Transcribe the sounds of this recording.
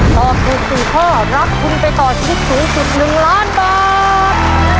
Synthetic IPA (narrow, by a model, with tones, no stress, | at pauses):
t̪ɔː˨˩p̚tuː˨˩k̚siː˨˩kʰɔː˥˩ɾa˦˥p̚kʰu˧npa˧jt̪ɔː˨˩t͡ɕʰa˧i˥˩t̪̚suː˩˦ŋsi˨˩p̚nɯ˨˩ŋlaː˦˥˩nbaː˨˧ | t̪̚